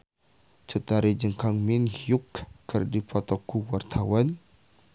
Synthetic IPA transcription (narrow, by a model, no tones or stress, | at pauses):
t͡ʃət̪aɾid͡ʒəŋkaŋminhjukːərdipʰɔt̪ɔkuwart̪ʰawan